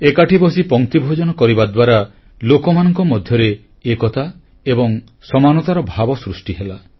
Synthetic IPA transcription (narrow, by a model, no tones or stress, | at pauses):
ekaʈʰibɔsipɔŋt̪ibʱod͡ʒɔnɔkɔɾibad̪waɾa | lokɔmanɔŋkɔmɔd̪ʱjɔɾe | ekɔt̪a | ebɔŋ | sɔmanɔt̪aɾɔbʱabɔsɾusʈiɦela